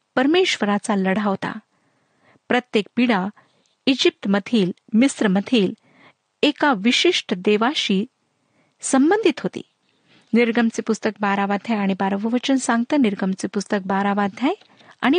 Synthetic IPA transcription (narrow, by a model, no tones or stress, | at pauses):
pəɾmeɕʋəɾat͡saləɽ̤aʋt̪a̰ | pɾət̪jek̚piɽa | id͡ʑip̚t̪mət̪ʰiːlmisɾəmət̪ʰiːl | ekaʋiɕiʂʈəd̪eʋaɕiː | səmbənd̪ʱit̪ɦot̪ḭː | niɾɡəmt͡sipust̪ək̚baɾaʋad̪ʱjajaɽ̃ibaɾəʋəʋət͡ɕənsãŋɡ̚t̪əniɾɡəmt͡sipust̪ək̚baɾaʋad̪ʱjaj | a̰ɽ̃i